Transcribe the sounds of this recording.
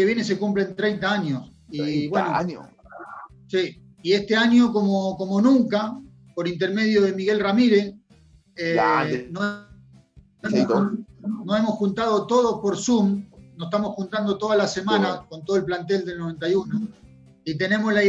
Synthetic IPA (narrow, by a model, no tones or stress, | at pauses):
eβje̞nes̬ekumplent̪ɾe̞jnt̪aaɲos | iβweno | si | ie̞st̪eaɲo̞komoko̞mo̞nũŋka | po̞ɾint̪e̞ɾme̞ð̞joðe̞miɣe̞lramiɾes | eno | oemo | noe̞mo̞sxunt̪að̞o̞t̪o̞ð̞o̞spo̞ɾsumnose̥t̪amosxunt̪and̪o̞t̪o̞ð̞alase̞mãnako̞nt̪o̞ðelplant̪̬e̞ld̪e̞lnoe̞nt̪̬ajuno | it̪e̞nẽ̞mosla